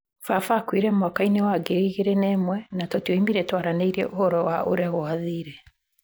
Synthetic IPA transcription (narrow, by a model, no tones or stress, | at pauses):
fafakwiɾɛmwɔkainewaɡeɾiiɣeɾenɛmwɛnatɔtiɔimiɾɛtwaɾaneiɾɛ̰ʔohɔɾɔwaʔoɾeaɣoaðiːɾɛ